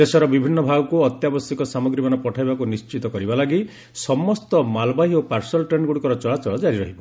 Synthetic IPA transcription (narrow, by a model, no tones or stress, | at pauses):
d̪esɔɾɔbibʱinːɔbʱaɡɔkuɔt̪jabɔsjɔkɔsamɔɡɾimanɔpɔʈʰajbakunist͡ʃit̪ɔkɔɾibalaɡi | sɔmɔst̪ɔmalbaɦiopaɾsɔlʈɾeɳɖɡuɽikɔɾɔt͡ʃɔɭat͡ʃɔɭɔd͡ʒaɾiɾɔɦibɔ